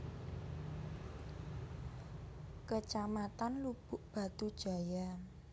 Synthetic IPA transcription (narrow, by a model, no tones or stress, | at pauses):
kət͡ʃamat̪anlub̥ʊ̤ʔb̥ä̤t̪ud̥ʒ̥ä̤ja